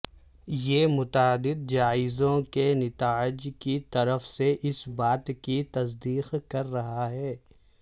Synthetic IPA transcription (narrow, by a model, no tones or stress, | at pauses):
jeːmʊt̪aːd̪ɪd̪̚d͡ʒaːɪzõkenɪt̪aːɪd͡ʒkit̪ɐɾəfseʔɪsbaːt̪kit̪ɐs̬d̪iːqkɐɾːɐɦaɦɛː